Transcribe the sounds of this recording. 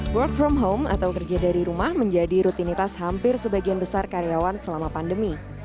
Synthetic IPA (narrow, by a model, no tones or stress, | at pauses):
wərk̚fɾɔmɦoma̰t̪awkərd͡ʒadaɾiɾumahməɲd͡ʒadiɾut̪init̪ashampɪrsəbaɡianbəsarkaɾeawansəlamapandəmi